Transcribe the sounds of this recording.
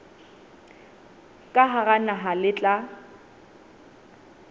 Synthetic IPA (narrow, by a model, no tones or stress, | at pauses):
kʼaɦaɣanaɦalɪt͡ɬʼa